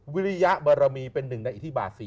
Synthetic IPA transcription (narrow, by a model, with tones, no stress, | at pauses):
wi˦˥li˦˥ja˦˥ʔbaː˧ɾa˧miː˧pe˧nːɯ˨˩ŋna˧jʔi˨˩t̪ʰi˥˩ba̰ː˨˩siː˨˩